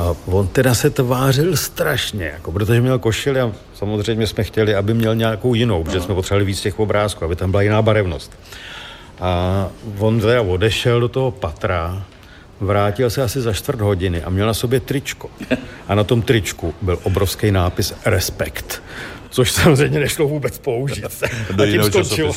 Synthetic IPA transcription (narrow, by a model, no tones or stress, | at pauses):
avont̪ɛdasɛt̪vaːrɪlst̪ɾaʃɲɛ̰jakopɾo̞t̪̬oʒɛmɲɛlko̞ʃɪlɪa | samozrɛjmɲɛsmɛxcɛlɪabɪmɲɛlɲako̞wjɪnowpɾoʒɛsmɛpot̪rɛvalɪviːt͡scɛxvobɾaːskuːabɪt̪ambɪlajɪnaːbaɾɛvno̞̰st̪ | ʔavo̞nt̪ɛɾavo̞dɛʃɛldo̞t̪oɦopat̪ɾa | vɾaːcɪlsɛasɪzaʃt̪vr̩t̪ɦo̞ɟɪnɪʔa̰mɲɛlnaso̞bjɛt̪ɾɪt͡ʃkoʔanat̪o̞mt̪ɾɪt͡ʃkubɪlʔobɾofskɛjnaːpɪsɾɛspɛkt̪ | t͡soʃsamozrɛjmɲɛnɛʃlovuːbɛt͡spo̞uʒiːt̪sɛdajɪnɛmt̪ot͡ʃɪl